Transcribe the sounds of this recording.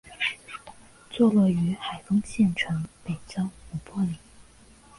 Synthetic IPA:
t͡swɔ˥˧lwɔ˥˩y˧˥xa˨˩ɪfɤ˥ŋɕjɛ˥˩nʈ͡ʂʰɤ˧˥npe˨˩ɪʈ͡ʂɑ˥ʊu˨˩pwɔ˥li˨˩˦

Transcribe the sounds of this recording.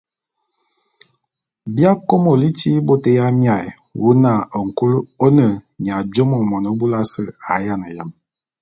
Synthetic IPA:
bja˦ko˦mo˨li˦ti˦bo˦tə˦ja˦mja˨j | wu˦na˦˨ə˨ŋ˨ku˦lo˦nə˨ɲ˨a˨d͡ʒo˦mo˨mɔ˨nə˦bu˦la˦sə˦˨a˨˦ja˦˨nə˨ja˨m

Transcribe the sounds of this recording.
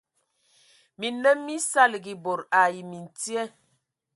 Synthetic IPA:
mi˨nə˦mmːi˦sa˦lɡi˨bo˨ɾa˨ji˨mi˨n˨ti˦ɛ˦

